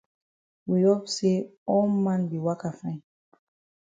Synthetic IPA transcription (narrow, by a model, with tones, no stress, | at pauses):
wi˨ɔ˦pse˦ɔmã˦nbi˨wa˦ka˨fã˦